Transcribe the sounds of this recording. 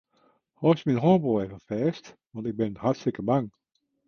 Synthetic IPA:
hɔsminɦɔːbolˠɛvəfɛːstʋɔntɪɡ̚bɪnhatstɪkəbaŋ

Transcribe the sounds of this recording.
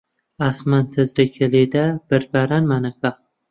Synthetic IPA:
asmant̪ʰɪzɾɪkʲʰelid̪ab̥ɪɾbaɾanmanaka

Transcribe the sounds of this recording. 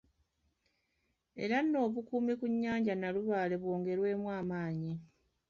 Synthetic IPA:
e̞̰ɾanːo̞ːβukuːmikuɲːaːɲɟanaluβaːle̞βwo̞ːŋɡe̞ɾwe̞ːmwaːmaːɲi

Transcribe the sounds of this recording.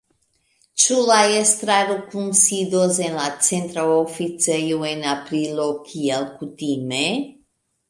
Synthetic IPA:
t͡ʃulajest̪ɾaɾukumsid̪ozenlat͡sent̪ɾaofit͡sejuenapɾilokʰiɛlkut̪ime

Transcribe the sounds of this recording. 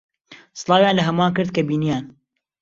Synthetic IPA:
sɨlˠɑːwjaːnlɐɦɐmaːnkɨɾd̪̚kɐbiːnijaːn

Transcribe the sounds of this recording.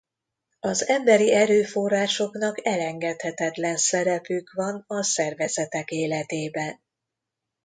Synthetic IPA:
ɒzɛmbɛɾiɛɾøːfo̞raːʃo̞kn̪ɒkɛlɛŋɡɛt̪hɛt̪ɛt̪lɛnsɛɾɛpykʋɒnɒsɛrvɛzɛt̪ɛkeːlɛt̪eːbɛn

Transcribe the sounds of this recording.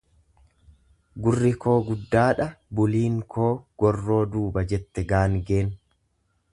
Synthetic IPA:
ɡʊrːɪkʰo̞ːɡʊd̪ːaːᶑɐbʊliːŋkʰo̞ːɡ̥ɔrːo̞ːd̪uːbɐd͡ʒɛt̪ːɛɡaːŋɡe̞ːn

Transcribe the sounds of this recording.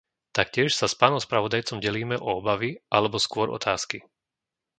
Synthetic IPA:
t̪akcɪɛʃsaspaːnɔʊspɾaʋɔd̪ajt͡sɔmɟɛliːmɛʔɔɔbaʋiʔalɛbɔskʊɔɾɔ̰t̪ʰaːski

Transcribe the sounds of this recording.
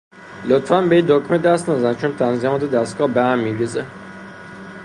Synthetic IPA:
lot̪fænbeid̪okmed̪æst̪næzænt͡ʃʰont̪ʰænzimɑːt̪ʰed̪æst̪ɡɒːbæhæmːiɡeze

